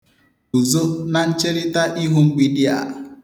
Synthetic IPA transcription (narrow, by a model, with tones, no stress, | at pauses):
u˨zo˦na˦n̩˦t͡ʃe˦li˦ta˦ʔi˦ɦu˦m̩˦ɡ͡bi˦di˦a̰˨